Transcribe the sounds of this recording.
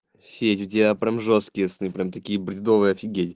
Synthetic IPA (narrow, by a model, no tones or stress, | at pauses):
fʲetʲʊtʲɪjʲapɾʲamʐost̪kʲɪjəsnɨpɾʲamt̪ɐkʲijəbɾʲɪd̪ovɨjəɐfʲɪɡʲetʲɪ